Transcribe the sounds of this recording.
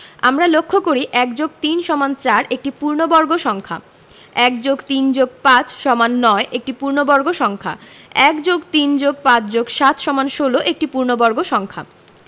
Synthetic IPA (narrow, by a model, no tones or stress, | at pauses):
a̰mɾalokʰːokoɾiʔɛkd͡ʑoɡ̚t̪inʃɔmant͡ɕaɾek̚ʈipuɾnobɔɾɡoʃɔŋkʰa̰ | ɛkd͡ʑoɡt̪ind͡ʑoɡ̚pãt͡ɕʃɔmanːɔeʔek̚ʈipuɾnobɔɾɡoʃɔŋkʰa̰ | ɛkd͡ʑoɡt̪ind͡ʑoɡ̚pãt͡ɕd͡ʑoɡʃat̪ʰʃɔmanʃoloʔek̚ʈipuɾnobɔɾɡoʃɔŋkʰa̰